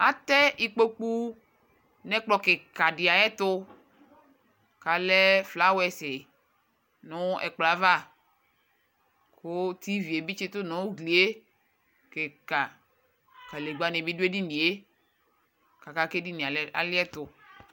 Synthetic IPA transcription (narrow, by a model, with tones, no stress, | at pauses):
a˨t̪ɛ˦i˦k͡po˦k͡pu˦ | nɛ̃˦k͡plɔ˨ke˨ka˨ɖi˨a˨ɛ˦t̪ʊ˦ | ka˨lɛ˦fla˦wɛ˨se˨ | nɔ̃˦ʔɛ̰˨k͡pla˨va˦˨ | ko˦t̪i˦vi˨e˨bi˦t͡ʃi˦t̪ʊ˦nɔ̃˨˦wo˦ɡli˨e˦ | ke˨ka˨ | ka˨le˨ɡ͡ba˨nẽ˨bi˦du˦e˦di˦n̩˦di˨e˦ | ka˨ka˦ke˦di˦ni˨a˨la̰˨lɪ˦ɛ˦t̪ʊ˨